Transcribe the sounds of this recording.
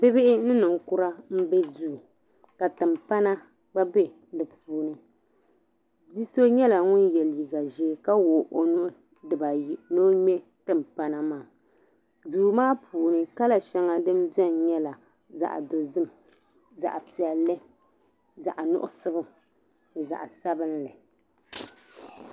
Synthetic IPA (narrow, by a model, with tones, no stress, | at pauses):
pɪ˦bɪ˦ʔɪ˦nɨ˦nɨ˨ŋ˨kʊ˦ɾa˦m̩˦bɛ˦duː˦˨ | ka˨tɨ˨mpa˦na˦ | ba˦bɛ˦ | dɨ˨puː˨nɨ˨ | bi˦so˦ɲɛ˦la˨ŋʊ˦njɛ˨li˨ɡa˨ʒeː˦ka˦woː˨ʔo˨nʊ˦ʔʊ˦ | dɨ˨ba˨no˦ɲɛ˦ | tɨ˨mpa˦na˦maː˦˨ | duː˨maː˦pʰuː˨nɨ˦ka˦la˨ʃɛ˦ŋa˦dɨ˦m˦bɛ˦nɲɛ˦la˨ | za̰˨ʔdo˨zɨ˦m | za̰˨ʔpi˨ɛ˨lːɨ˦ | za̰˨ʔnʊ̰˦ʔʊ̰˦sɨ˦bɨ˦˨ | za̰˨ʔsa˦bɨ˦n˦lɨ˨